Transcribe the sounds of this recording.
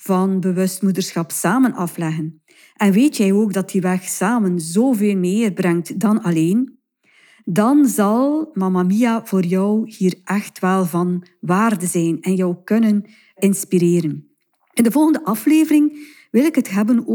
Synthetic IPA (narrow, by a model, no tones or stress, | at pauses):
v̥ɑnbəwɵstmudərsxɑpsaːmənɑflɛɣən | ʔɛnʋeːtjɛjoːɡdɑtdiʋɛxsaːmənzoːveːlˠmeːrbrɛŋtdɑnɑleːn | dɑnzɑlˠmamamiav̥oːrjœwhiːrʔɛxtʋɛlˠvɑnʋaːrdəzɛjnɛnjɔwkɵnən | ɪnspiɾeːɾən | ɪndəvɔlˠɣəndəʔɑfleːvərɪŋ | ʋɪlɪkɦətɦɛbəno